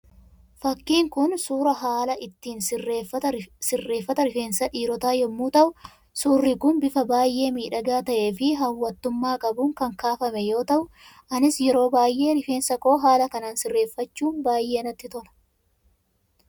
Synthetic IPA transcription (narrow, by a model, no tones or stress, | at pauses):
fɐkːiːŋkʊnsuːɾɐɦaːlɐʔɪt̪ːiːnreːfɐsɪrːe̞ːfːɐt̪ɐɾɪfeːnsɐᶑiːɾɔt̪aːjɛmːuːt̪ɐʔʊ | suːrːɪkʊnbɪfɐbaːjʔe̞ːmiːᶑɐɡaːt̪ɐʔe̞ːfɪɦɐwːɐt̪ːʊmːaːkʼɐbʊŋkɐŋkaːfɐmɛjo̞ːt̪ɐʔʊ | ʔɐnɪsjɛɾo̞ːbaːjʔe̞ːɾɪfeːnsɐko̞ːɦaːlɐkɐnaːnsɪrːe̞ːfːɐt͡ʃːuːnbaːjʔe̞ːnɐt̪ːɪt̪ɔlɐ̥